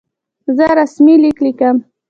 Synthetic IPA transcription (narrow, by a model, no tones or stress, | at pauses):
zəɾasmiliklikəm